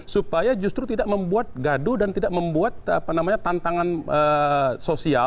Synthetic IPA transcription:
supajad͡ʒust̪ɾut̪idaʔməmbuat̪̚ɡadudant̪idaʔ̚məmbuat̪̚a̰panamaɲat̪ant̪aŋanəsosia

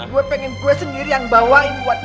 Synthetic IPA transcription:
ɡuɛpɛŋinkuɛsəndiɾijaŋbawainuwat̪̚

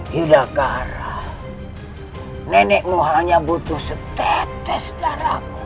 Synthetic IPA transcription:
judakaɾah | nɛnɛʔmuɦaɲabut̪uhsət̪ɛt̪ɛsə̥t̪aɾa̰ku

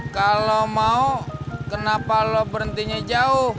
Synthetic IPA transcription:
kalomaukənapalɔpəɾənt̪iɲad͡ʒaʊh

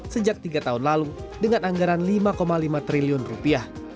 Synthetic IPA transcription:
səd͡ʒak̚t̪iɡat̪aɦunlaludəŋanaŋɡaɾanlimakomalimat̪ɾiliʊnrupiah

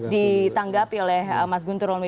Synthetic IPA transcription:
dit̪aŋɡapiolɛhəmas̬ɡunt̪uɾɔlme

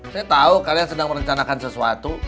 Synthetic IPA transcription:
sajat̪aukaliaŋsədaŋməɾəɲt͡ʃanakansəsuat̪u

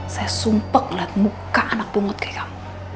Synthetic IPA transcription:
sajasumpək̚lanmukaʔanak̚b̥uŋʊt̪̚ke̥kam

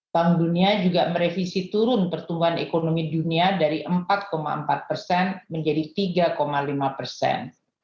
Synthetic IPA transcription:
t̪aŋduniad͡ʒuɡaməɾefisit̪uɾʊnpərt̪umbuɦanekonomiduniadaɾiʔəmpat̪̚koma̰ə̰mpat̪̚pərsɛnməɲd͡ʒadit̪iɡakomalimapərsɛ̰n

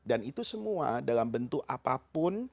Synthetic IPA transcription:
danit̪usəmua̰dalambənt̪ʊk̚apapʊn

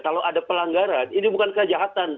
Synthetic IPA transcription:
kaloʔadapəlaŋɡaɾaninibukankəd͡ʒaɦat̪an

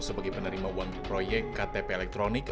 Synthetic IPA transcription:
səbaɡepənəɾimawaŋpɾojɛk̚t̪kat̪epeːlɛk̚t̪ɾonɪk

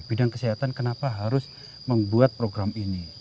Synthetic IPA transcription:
b̥idaŋkəsiɦat̪ankənapaɦaɾʊs | məmbuat̪̚pɾoɡɾamini

